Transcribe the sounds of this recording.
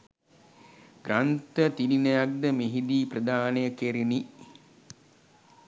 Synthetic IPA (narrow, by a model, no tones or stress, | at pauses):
ɡɾant̪ət̪ilinəjak̚d̪əmiɦid̪iːprəd̪aːnəjəkeɾini